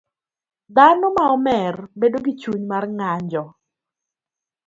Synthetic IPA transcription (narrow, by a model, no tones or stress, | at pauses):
d̪anɔmaɔmɛrbedoɡit͡ʃuɲmarŋaɲd͡ʒɔ